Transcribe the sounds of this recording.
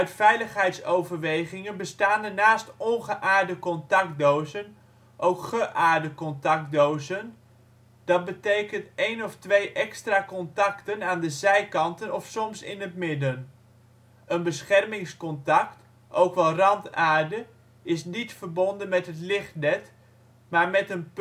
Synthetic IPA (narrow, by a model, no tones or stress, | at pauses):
œɥtfɛjləχɦɛjtsowvəɹʋejχɪŋənbəstaːndənaːstɔnχəʔaːɹdəkɔntɑkdowzən | ʔowkχəʔaːɹdəkɔntɑk̚dowzən | d̥ɑt̚bətejkəntejnɔftʋejʔɛkstraːkɔntɑktənaːndəzɛjkɑntənɔfsɔmsɪ̰nətmɪdən | ənbəsχɛrmɪŋskɔntɑkt | ʔowkʋɛlˠrɑntaːɹdə | ɪsnitfərbɔndənmɛtɦətlɪχt̚nɛt | maːɹmɛtən